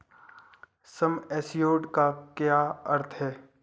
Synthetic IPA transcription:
sɐmɛːsjoːɖkakjaːɐɾt̪ʰɦɛː

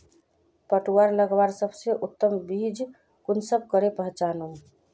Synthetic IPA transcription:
pəʈuwaɾləɡʋaɾsəbseʔut̪ːəmbid͡ʒ | kunsəb̚ʱkəɾepəɦt͡ʃanum

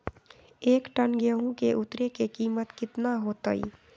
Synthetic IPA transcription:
eːkʈənɡəɦũkeʔʊt̪ɾekekiːmət̪kɪt̪naɦoːt̪əḭ

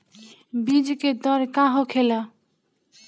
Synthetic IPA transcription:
bĩd͡ʒked̪ɔɾkaɦõkʰela

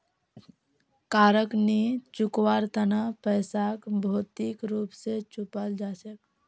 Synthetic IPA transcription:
kaːɾəknit͡ʃukwaɾt̪ʰənəpəɪsakbʱoːt̪ikɾuːpset͡ʃupəld͡ʒasək

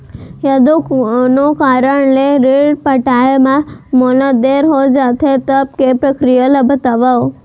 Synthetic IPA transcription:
jəd̪onokaɾəɳleɾeɖpəʈamãmoləd̪eɾɦod͡ʒat̪ʰet̪əb̚kepɾəkɾijaləbʱət̪aʋao

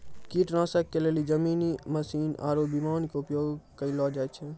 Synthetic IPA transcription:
kiʈnãsəkːelelid͡ʒəmiːniməsiːna̰ːɾobimaːnkeʊpjoːɡkəilɔd͡ʒajt͡ʃʰɛ

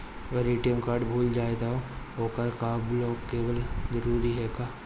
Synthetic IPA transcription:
ʋəɾiʈiəmkaːɾɖbʱuːld͡ʒaːet̪aɦo | oːkəɾkaːblɔːkːeːbəlzɐɾuːɾiɦɛːkaː

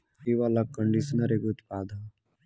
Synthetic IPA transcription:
iʋalakːəɳɖisnɐɾeɡut̪paːd̪ʱa

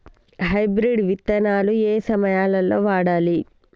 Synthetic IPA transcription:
ɦɐjbɾiɖʋit̪ːɐnaːlueːsɐmɐjaːlɐlːoːʋaːɽaːli

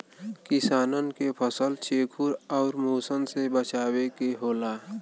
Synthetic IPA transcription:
kɪsaːnənkepʰəsəlt͡ʃʰeːkʰuɾɔːɾmoːsənsebət͡ʃaːwekeɦoːlaː

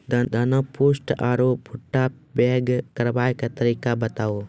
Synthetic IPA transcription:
d̪d̪ɐnopoːsʈaːɾoːpʰʊʈːa | bɛːɡkɐɾʋaːjkat̪ɐɾiːkabɐt̪aːoː

